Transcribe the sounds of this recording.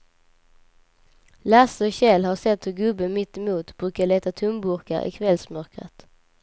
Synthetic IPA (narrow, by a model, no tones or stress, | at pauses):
lasɔɕɛlhasɛt̪hɵɾɡɵbːənmɪt̪ːɪmuːt̪bɾʉ̟ːkaɭeːt̪at̪ʰɵmbʊɾka̰ɾʔɪ̰kʰvɛlsmœɾkɾə̰t̪